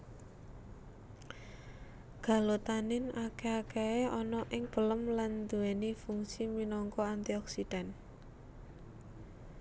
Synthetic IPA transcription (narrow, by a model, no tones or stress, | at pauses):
ɡ̥a̤lot̪anɪnakeakeeɔnɔʔɪŋb̥ə̤ləmland̪ṳɛnifuŋsiminɔŋkɔant̪iɔksid̥a̤n